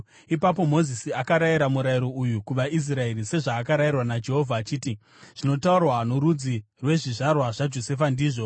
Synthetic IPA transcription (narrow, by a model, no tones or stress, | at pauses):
ipap̬o̞mo̞zisiakaɾaiɾamuɾaiɾo̞ujukuʋais̬rae̞ɾise̞ʐaːkaɾajirwanad͡ʒe̞ɦo̞vʱaːt͡ʃiːti | ʐ̥ino̞taurwanoɾud͡zi | rwe̞ʐiʐarwaʐad͡ʒo̞se̞fandiːʐo̞